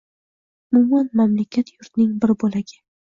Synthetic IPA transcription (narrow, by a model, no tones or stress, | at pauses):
ʊmʊmanmamlakʲʰat̪ʰjʊɾt̪nɪŋbɪɾbolaɡʲɪ